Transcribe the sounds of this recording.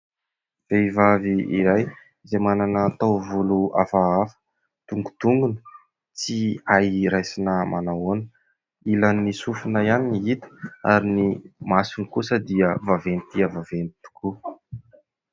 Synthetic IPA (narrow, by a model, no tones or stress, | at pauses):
v̥eivaviiɾaj | zemananəːt̪awvulua̰faafə̥ | t̪uŋɡut̪uŋɡunə | t͡siajɾajsinəmanawonə | ilanisufunajaniniit̪ə̥aɾinimasinikusəd̪iəvavenit̪iəvavenit̪u̥kʰu